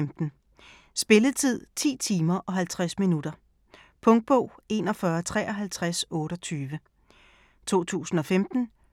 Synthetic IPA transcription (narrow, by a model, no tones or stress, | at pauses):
md̥n̩ | sb̥e̝ləðˠt͡sʰið̞̰ˠt͡sʰḭːt͡sʰiːmɐʔɒ̽ɦælt͡sʰʁasminud̥ɐ | pʰɔ̽ŋd̥̚b̥ɔʊ̰e̝ːnɒ̽fɶɐt͡sʰʁɛːʔɒ̽ɦælt͡sʰʁasɔ̽ːɾ̥ɒ̽t͡sʰyːʋə | t͡sʰo̝̰ːt͡sʰṵːsn̩ɒ̽femd̥n̩